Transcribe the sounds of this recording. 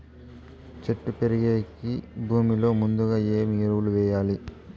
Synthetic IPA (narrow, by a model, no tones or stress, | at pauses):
t͡ʃeʈːupeɾiɡeːkibʱuːmilo̞ːmund̪uɡaːe̞ːmiːɾɐwuluʋɛːjaːli